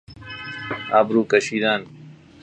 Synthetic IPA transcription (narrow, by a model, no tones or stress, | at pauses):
aːbɾuːkɐɕiːd̪aːn